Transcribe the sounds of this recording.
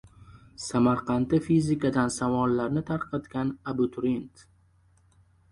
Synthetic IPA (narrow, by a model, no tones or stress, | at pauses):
samaɾqʰɑnt̪ɪfizɪkad̪ansavɒnlːaɾnɪt̪ʰaɾqʰɑt̪ɡʲanabʊt̪ʰʊɾint̪